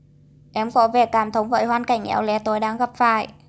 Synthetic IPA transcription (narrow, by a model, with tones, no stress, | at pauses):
ʔɛ˨˦mkɔ̰˧˥ve˨˩kaː˧˩mt̪ʰə˨˦wŋ͡mvə̰ː˧˨jɦwaː˧nka˧˩jŋ̟ʔɛ̰˧˩˦wlɛ˨˦t̪o˨˦jɗaː˧˥ŋɣə˨˩p̚faː˧˩˨j